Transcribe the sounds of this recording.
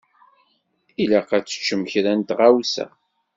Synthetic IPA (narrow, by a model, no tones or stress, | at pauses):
ilæqæt͡sːə̥t͡ʃːəməçɾænt̪ʁawsæ̰